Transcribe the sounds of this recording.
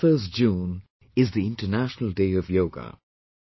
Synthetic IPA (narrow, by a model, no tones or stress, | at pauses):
fɜːsd͡ʒũːn | ɪzðiɪ̃nʈənæʃnəl̩ˠdeɪʌvjoʊɡə̰